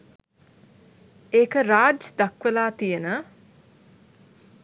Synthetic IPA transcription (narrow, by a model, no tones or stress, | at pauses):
eːkəɾaːd͡ʒd̪akʋelaːt̪ijənə